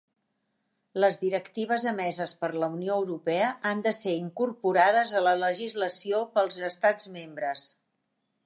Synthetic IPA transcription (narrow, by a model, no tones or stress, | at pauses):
ləzðiɾəkt̪iβ̞əzəmɛzəspəɾləunioəwɾupɛəʔand̪əseɾiŋkurpuɾaðəzələləʒizləsiopəlˠzəst̪ad͡zmembɾəs